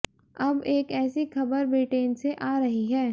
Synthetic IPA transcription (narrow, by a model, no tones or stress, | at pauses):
ɐbeːkɛːsixɐbəɾbeːʈeːnseʔaːɾɐɦiɦɛː